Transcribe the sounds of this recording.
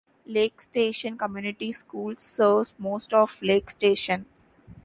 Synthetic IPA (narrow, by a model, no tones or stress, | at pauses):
leːksʈeːʃə̃nkəmjuːnɪʈiskuːlsːəːɾʋsmoːsʈɔːfleːksʈeːʃə̃n